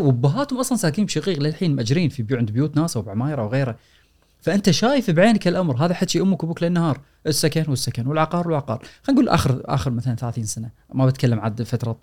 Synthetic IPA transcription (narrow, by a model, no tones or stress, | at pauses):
wabːaɦaːt̪hʊmʔɑsˤlɑnsaːkiːmbʃaqiːqlɪlħiːnmʔad͡ʒɾiːnfibʕɪnd̪bjuːt̪naːsawbʕmaːjɪɾʔawɣeːɾa | faʔɪnt̪aʃaːjɪfibʕeːnakɪlʔamɾɦaːðaħat̪ːʃiʔʊmːʊkʊbuklɪnːahɑːɾˤ | ʔɪsːakanwɪsːakanwɪlʕɑqɑːɾˤwɪlʕɑqɑ̰ːɾˤxanɡuːlʔa̰ːxɪɾʔa̰ːxəɾmaθalanθalaːθiːnsana | mabɪt̪kalːamʕad̪fat̪ɾˤɑt̪ˤ